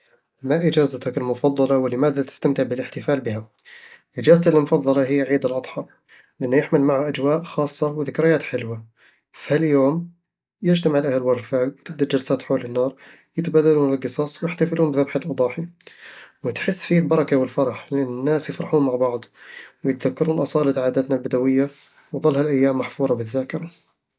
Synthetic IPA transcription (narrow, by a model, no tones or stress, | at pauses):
maʔɪd͡ʒaːzat̪akɪlmʊfɑðˤːɑlɑwɪlɪmaːðat̪ɪ̥st̪amt̪ɪʕbɪlɪħt̪ɪfaːlbɪha | ʔɪd͡ʒaːzat̪allmʊfɑðˤːɑlɑɦɪjːaʕiːd̪ɪlʔɑd̪ˤħɑː | lɪʔanːʊjɪħmɪlmaʕhaʔad͡ʒwaːʔxɑːsˤːɑwɪðɪkɾɪjaːt̪ħɪlwa | fhaljoːm | jɪd͡ʒt̪amɪʕlʔahalwɑɾˤfaːkwɪt̪ɪb̚d̪ad͡ʒalsaːt̪ħoːlɪnːɑːɾˤ | jɪt̪baːd̪aluːnɪlɡɨsˤɑːsˤwjɪħt̪afɪluːmbɪðabħɪlʔɨd̪ˤɑːħi | wɪt̪ħɪsːfiːlbɑɾˤɑkawɪlfɑɾˤɑħlɪʔanːɪnːaːsjɪfɾɑħuːnmaʕbɑʕd̪ˤwɪjɪt̪ðakːɑɾuːnʔɑsˤɑːlɪt̪ʕaːd̪at̪nalbɪd̪awɪjːa | wðˤɨlːhalʔajːaːmːaħfuːɾˤɑbɪðːaːkɪɾa